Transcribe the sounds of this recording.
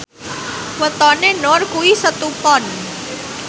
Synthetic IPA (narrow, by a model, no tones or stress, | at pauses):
wət̪ɔnenɔɾkuisət̪upɔn